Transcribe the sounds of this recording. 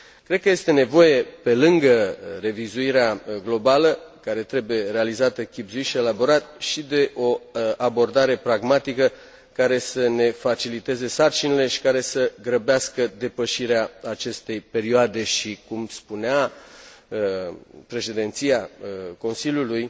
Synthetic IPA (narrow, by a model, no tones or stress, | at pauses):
kɾed̪kəje̞st̪e̞ne̞vo̞je̞pe̞lɨŋɡəre̞vizuiɾeaɡlo̞baləkaɾe̞t̪ɾe̞buje̞ɾe̞alizat̪əkʲibzuiʃie̞labo̞ɾat̪̚ʃid̪e̞ʔo̞abo̞rd̪aɾe̞pɾaɡmat̪ikə | kaɾe̞səne̞fat͡ʃilit̪e̞ze̞sart͡ʃinile̞ʃi̥kaɾe̞səɡɾəbeaskəd̪e̞pəʃiɾeaat͡ʃe̞st̪e̞jpe̞ɾioad̪e̞ʃikumspunea | əpɾe̞ʃe̞d̪ent̪siako̞nsilʲjuluj